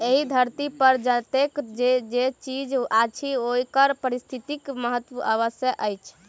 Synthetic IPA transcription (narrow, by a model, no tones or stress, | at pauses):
eɦid̪ʱəɾt̪ipəɾd͡ʒət̪ekd͡ʒed͡ʒet͡ʃid͡ʒat͡ʃʰiojkəɾpəɾist̪ʰit̪ikməɦət̪ʋəʔəʋəsjəɦʔəjt͡ʃʰ